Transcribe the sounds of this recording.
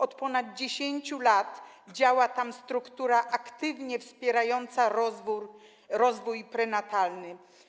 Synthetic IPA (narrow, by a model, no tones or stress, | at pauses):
ɔt̪pɔnad̪̚d͡ʑeɕeɲt͡ɕulat̪ | d͡ʑawat̪amst̪ɾukt̪uɾaʔakt̪ɘvɲɛfspʲjɛɾajɔnt̪saɾɔvu | ɾɔzvujpɾɛnat̪alnɘ